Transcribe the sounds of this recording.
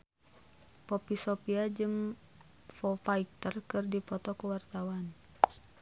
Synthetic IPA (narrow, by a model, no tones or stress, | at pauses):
pɔpisɔpiad͡ʒɨŋ | fɔfaik̚t̪ərkɨrdipɔt̪ɔkuwart̪awan